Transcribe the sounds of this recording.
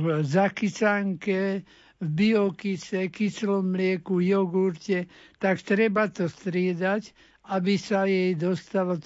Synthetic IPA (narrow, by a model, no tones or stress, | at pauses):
zakisaŋkɛ | vbiɔkisɛkislɔmlɪɛkujɔɡuɾcɛt̪akt̪ɾɛbat̪ɔst̪ɾɪɛd̪ac | abisajɛjd̪ɔst̪alɔ